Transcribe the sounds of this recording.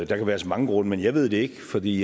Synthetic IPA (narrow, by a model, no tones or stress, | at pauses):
d̥ɑ̈kʰæʋæːɐsɒ̽mɑ̈ŋəɡ̥ʁɔ̽n̰əmenjɑ̈ɪʋe̝ð̞̰ˠd̥e̝e̝ɡ̥fɒ̽d̥ḭː